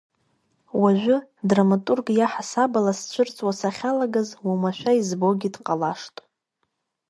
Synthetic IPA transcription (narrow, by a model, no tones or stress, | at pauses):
waʒᶣʷʊdramatʼurɡjaħasabalast͡ʃʷʰɨrt͡sʼwasaχʲalaɡazwamaʃʷᶣaizbo̞ɡʲidqʼalaʂtʼ